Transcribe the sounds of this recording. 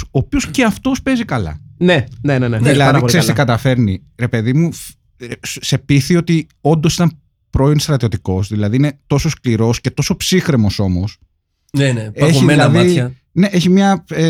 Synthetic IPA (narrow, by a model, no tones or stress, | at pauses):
oːpio̞sce̞ɐft̪o̞spe̞zikɐlɐ̰neneneneðilɐðiksessiikɐt̪ɐfe̞ɾni | ɾe̞pe̞ðimu | se̞piθio̞t̪i | o̞nd̪o̞sit̪ɐn | pɾo̞ionst̪ɾɐt̪io̞t̪iko̞sðilɐðiinet̪o̞so̞skliɾo̞scet̪o̞so̞psixɾemo̞so̞mo̞s | neneçðeilɐðiɐ | ne̞ʔeçimɲɐe